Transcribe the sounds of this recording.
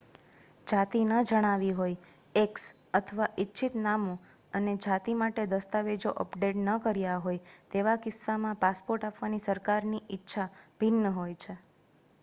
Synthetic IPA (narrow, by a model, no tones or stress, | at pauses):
d͡ʒat̪inəd͡ʒəɽ̃aʋiɦoj | eks | ət̪ʰəʋaʔɪtːʃʰit̪namo | əned͡ʒat̪imaʈed̪əst̪aʋed͡ʒoʔəpɖeʈnəkəɾjaɦojt̪eʋakɪsːamãpaspoɾʈapʋanisəɾkaɾniʔɪtːʃʰab̥ʱɪnːəɦojt͡ʃʰe